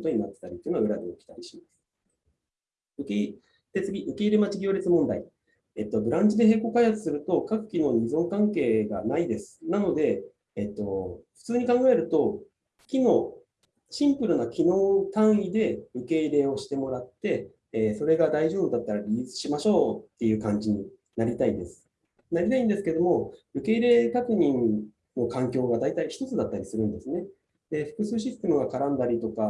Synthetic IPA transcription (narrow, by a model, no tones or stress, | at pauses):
t̪o̞ɲ̟inat̪ːet̪aɾʲit̪oiɯnoɯ̟ɾad̪eokʲi̥t̪aɾʲiɕimasɨ̥ | ɯke | d̪̥et͡sɨɡʲiʔɯ̟ke̞iɾe̞mat͡ɕiɡʲo̞ːɾit͡sɨmõ̞nd̪a̰i | et̪ːo̞bɯ̟ɾãɲ̟d͡ʑid̪e̞ɦe̞ːko̞ːkaihat͡sɨ̥sɨɾɯ̟t̪o̞kakɯ̟̥kʲino̞ːɲizõ̞ŋkãŋke̞ːɡa̰naid̪e̞sɨ̥nano̞d̪e̞ː | t̪ːo̞ɸɯ̥t͡sɨːɲ̟ikãŋɡae̞ɾɯ̟t̪o̞ | kʲino̞ː | ɕĩmpɯ̟ɾɯ̟nakʲino̞ːt̪ãɰ̃id̪e̞ɯ̟ke̞iɾe̞ːo̞ɕi̥t̪e̞mo̞ɾat̪ːe̞ː | so̞ɾe̞ɡad̪aiʑo̞ːbɯ̟d̪at̪ːaɾaɾʲiɯ̟t͡sɨ̥ɕimaɕo̞ːt̪ːe̞jɯ̟ːkãɲ̟d͡ʑiɲ̟i | naɾʲit̪aid̪e̞sɨ̥ | naɾʲit̪aĩnd̪e̞sɨ̥ke̞d̪o̞mo̞ɯ̟ke̞iɾe̞ːkakɯ̟ɲ̟ĩn | no̞kãŋkʲo̞ːɡad̪ait̪aiçi̥t̪o̞t͡sɨd̪at̪ːaɾʲisɨɾɯ̟̃nd̪e̞sɨne̞ | d̪eɸɯ̟̥kɯ̟sɨːɕ̬isɨ̥t̪e̞mɯ̟ɡakaɾãnd̪aɾʲit̪o̞ka